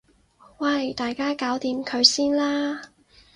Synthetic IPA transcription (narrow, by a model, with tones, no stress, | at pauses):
wɐ˥˨˩jt̪aː˨jkaː˥kaː˨˥wt̪iː˨˧˥mkʰɵ˨˧ɥsiː˥nlaː˥